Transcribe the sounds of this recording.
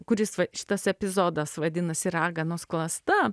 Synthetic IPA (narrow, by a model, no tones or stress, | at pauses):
kʊɾʲɪsʋɐʃʲɪ̥t̪ɐsɛpʲɪzoːd̪ɐsʋɐd̪ʲɪnɐsʲɪɾɑːɡɐnʊsklˠɐst̪ɐ